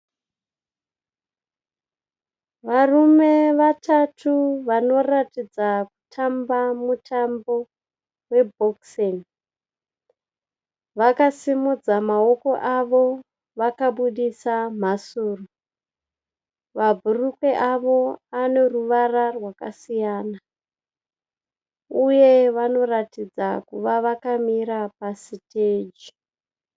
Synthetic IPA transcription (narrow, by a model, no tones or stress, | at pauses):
ʋarume̞ʋatʰatʰuʋano̞ratid͡zaku̥tʰambamutʰambo̞ | we̞bʱoksen | ʋakasimud͡zamao̞ko̞ʔaʋo̞ | ʋakaɓuɗisam̤asuːro | ʋabʱurukweʔaʋo̞aneruʋararwakasijaːna | ujeʋano̞ratid͡zakuʋaʋakamiɾapasiteːd͡ʒi̥